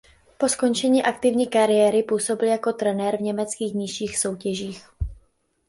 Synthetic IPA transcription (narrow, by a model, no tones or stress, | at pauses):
po̞sko̞nt͡ʃɛɲiːʔak̚t̪ɪvɲiːkaɾɪjɛɾɪpuːso̞bɪljako̞t̪ɾɛnɛɾvɲɛmɛt͡skiːxɲɪʃiːxso̞wcɛʒiːx